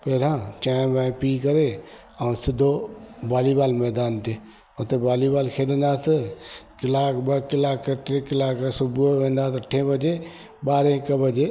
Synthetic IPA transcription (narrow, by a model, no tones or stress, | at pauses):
peːɾãt͡ʃãːmãpikəɾe | ausɪd̪ʱobaːlibaːlmɛːd̪aːnt̪e | ot̪ebaːlibaːlkʰeːlənd̪aːsəkɪlaːkbəkɪlaːkːəʈɾekɪlaːksubẽnd̪at̪əʈʰːẽbəd͡ʒe | baːɾẽkəbəd͡ʒe